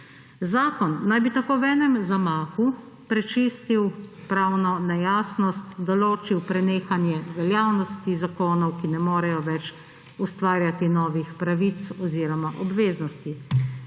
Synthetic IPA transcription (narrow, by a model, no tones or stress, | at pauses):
zaːkɔnːajbit̪akoːwɛːnɛmzamaːxu | pɾɛt͡ʃiːst̪iwpɾaːwnɔnɛjaːsnɔst̪d̪ɔloːt͡ʃiwpɾɛneːxanjɛʋɛljaːwnɔst̪izakoːnɔwkinɛmoːɾɛjɔʋɛt͡ʃ | ust̪ʋaːɾjat̪inɔːʋixpɾaʋit̪sɔziːɾɔmaʔɔbʋeːznɔst̪i